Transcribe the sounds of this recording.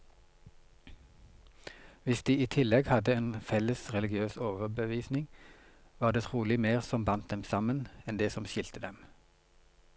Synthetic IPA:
ʋɪsd̪̥iːiːt̪ʰɪlɛɡhɑd̪əeːnfɛləsʁɛlɪɡɪøːsoːʋəʁbəʋiːsnɪŋʋɑːʁd̪eːt̪ʰʁuːlɪmeːʁsɔmbɑnt̪̚d̪ɛmsɑmənɛnd̪eːsɔmʃɪlt̪əd̪ɛm

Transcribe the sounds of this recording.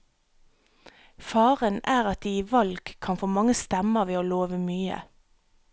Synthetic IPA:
fɑːʁənæːʁɑt̪̚d̪iːiːʋɑlɡ̥kʰːɑnfoːmɑŋəst̪ɛməʋeːoːloːʋəmyːə̰

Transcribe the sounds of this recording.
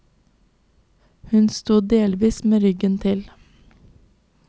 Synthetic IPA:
hʉnst̪uːd̪eːlʋiːsmeːɾʏɡənt̪ʰɪl

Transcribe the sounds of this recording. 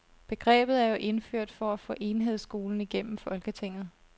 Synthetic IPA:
b̥e̝ɡ̥ʁɛ̰ːb̥ð̩ˠæɐjo̝ʔe̝nføɐ̰d̥fɒ̽æfɔ̰ːʔe̝nɦe̝ð̰ˠsɡ̥o̝ːln̩iɡ̥en̰m̩fɒ̽lɡ̥ət͡sʰe̝ŋ̰ð̩ˠ

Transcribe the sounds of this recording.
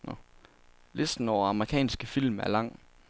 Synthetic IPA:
le̝sd̥n̩ɒʊɐɑ̈məʁikʰɛ̰ːnsɡ̥əfil̰mæɐlɑ̈ŋ̰

